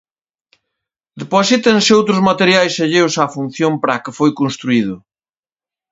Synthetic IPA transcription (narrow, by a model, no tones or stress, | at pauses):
d̪eposit̪eŋsɪowt̪ɾʊzmat̪eɾjajseʎewsafun̟θjompɾakɪfojkonst̪ɾuið̞ʊ